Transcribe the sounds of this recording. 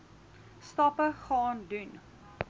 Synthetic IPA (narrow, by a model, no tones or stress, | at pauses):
stɑpəχɑːndʉn